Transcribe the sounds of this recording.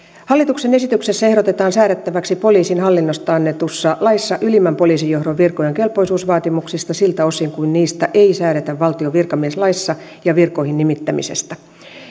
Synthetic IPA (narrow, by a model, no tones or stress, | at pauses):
hɑlːit̪uksenesit̪ykse̞sːæe̞hɾo̞t̪et̪ɑːnsæːɾet̪ːæʋæksipo̞liːsinhɑlːinːost̪ɑɑnːet̪usːɑlɑisːɑʔylimæmpo̞liːsijːo̞hɾoʋʋirkojeŋke̞lpo̞isuːsʋɑːt̪imuksist̪ɑsilt̪æo̞siŋkuinniːst̪æʔeisæːɾet̪æʋʋːɑlt̪ioʋirkɑmieslɑisːɑ | jɑʋirkoihinnimit̪ːæmḭsḛst̪æ